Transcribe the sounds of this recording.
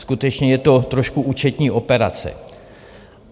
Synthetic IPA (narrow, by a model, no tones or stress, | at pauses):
skut̪ɛt͡ʃɲɛjɛt̪o̞t̪ɾoʃkuʔuːt͡ʃɛt̪ɲiːʔo̞pɛɾat͡sɛ̰